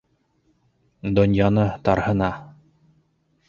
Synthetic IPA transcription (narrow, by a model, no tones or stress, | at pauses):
d̪onʲjɑnɤt̪ɑɾhɤ̆nɑ